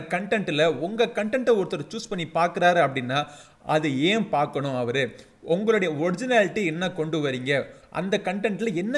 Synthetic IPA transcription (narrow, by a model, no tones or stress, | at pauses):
kɐɳʈɛɳʈːɪlɐɔŋɡɐkɐɳʈɛɳʈːɐɔɾɯt̪ːɐɾɐt͡ʃuːspɐɳːipaːɾkɯɾaːɾɐpːɐɽɪnːaː | ɐðɯeːpaːɾkɐɳʊ̃ɐʋɐɾɯ | ɔŋɡɐɭoɽɐjɐɔɾɪd͡ʒɪnaːlɪʈːiɛnːɐkɔɳɖɯʋɐɾiːŋɡɐʔɐ̰nd̪ɐkɐɳʈɛɳʈɪlɐɛnːɐ